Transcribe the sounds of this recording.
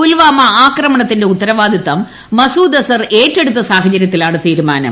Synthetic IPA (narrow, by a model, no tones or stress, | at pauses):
ulʋaːmɐaːkrɐmɐɳɐt̪ːinde̞ut̪ːɐɾɐʋaːd̪it̪ːɐmː | ɐsuːd̪ɐsɐreːtːeɽut̪ːɐsaːɦɐt͡ɕɐɾjɐt̪ːilaːɳɨt̪iːɾumaːnɐ̰m